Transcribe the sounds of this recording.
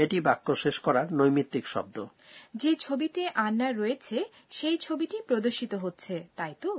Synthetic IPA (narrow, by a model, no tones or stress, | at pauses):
eʈibakːoʃeʃkɔɾaɾnojmit̪ːikʃɔ̰b̚d̪o | d͡ʑet͡ɕʰobit̪eʔanːaɾɔet͡ɕʰe | ʃejt͡ɕʰobiʈipɾod̪oɾʃit̪oɦotːɕʰet̪ajt̪o